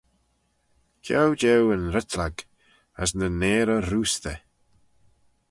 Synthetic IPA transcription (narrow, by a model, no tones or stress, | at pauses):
kʰawd͡ʒɛwənɾɪt̪ʰlaɡ | əsnəneːɾəɾuːst̪ə